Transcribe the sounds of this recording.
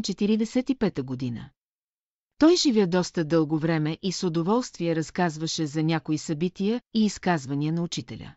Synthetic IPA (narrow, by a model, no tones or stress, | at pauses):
t͡ʃɛt̪iɾid̪ɛsɛt̪ipɛt̪əɡod̪inə̰ | t̪ɔjʒivjɛd̪ɔst̪əd̪ɤlˠɡovɾɛmɛʔisod̪ovɔlˠst̪viɛɾɐskazvəʃɛzɐnʲakoisɐbit̪iəiːskazvɐniənɐʊt͡ʃit̪ɛlʲə̰